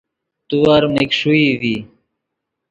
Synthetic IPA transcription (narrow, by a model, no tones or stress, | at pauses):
t̪uwaɾmekʂuivi